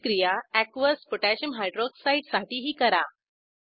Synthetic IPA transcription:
kɾijaækʋəsfoʈæɕəmɦajɖɾoksaiʈsaʈiːɦiːkəɾa

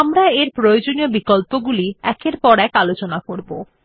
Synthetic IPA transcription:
amɾaeɾpɾojod͡ʑoniobikolpoɡuliɛkeɾpɔɾɛkalot͡ɕonakoɾbo

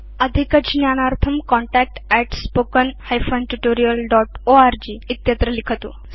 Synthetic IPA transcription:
əd̪ʱikəd͡ʑnjañaɾt̪ʰəmkɔɳʈæk̚ʈɛʈspokənhajfənʈuʈoɾijəlɖɔʈoaɾd͡ʑiːt̪jət̪ɾəlikʰət̪o̰

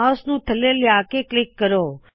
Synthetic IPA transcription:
ɔsnũːt̪ʰəleljaːkeklɪkːəɾoː

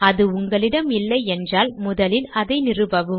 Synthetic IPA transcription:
ɐðɯʊŋɡɐɭɪɽɐmɪlːɐɪɛndraːlmʊðɐlɪnɐðɐɪnɪrɯbɐʋɯ

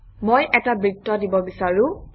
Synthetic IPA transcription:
mojʔɛtabɹitːɔdibɔbisaɹʊ̃

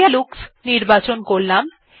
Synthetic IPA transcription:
aluksniɾbat͡ɕonkoɾlam

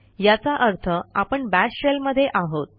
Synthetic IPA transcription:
jat͡saʔəɾt̪ʰəapəɳbæsɕelməd̪ʱːjeʔaɦot̪̚

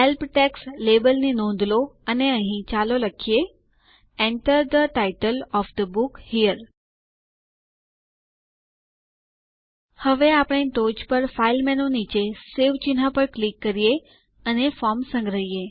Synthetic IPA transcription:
elpʈɛkslebəlninɔ̃nd̪loəneəɦĩt͡ʃaloləkʰije | ɛɳʈəɾd̪əʈaiʈəlɔfd̪əbukhijəɾ | həʋeapəɽ̃eʈ̪od͡ʒpəɾfailmɛnonit͡ʃeseʋt͡ʃinɦãpəɾklikːəɾije | ənefɔɾmsə̃ŋɡɾəɦije

